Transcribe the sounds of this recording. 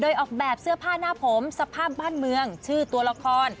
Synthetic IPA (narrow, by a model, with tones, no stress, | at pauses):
doː˧jʔɔː˨˩k̚bɛː˨˩p̚sɯ˥˩ɐpʰaː˥˩naː˥˩pʰo˩˦msa˧pʰaː˥˩p̚baː˥˩nmɯ˧əŋt͡ɕʰɯː˥˩t̪u˧ɐla˧kʰɔː˧n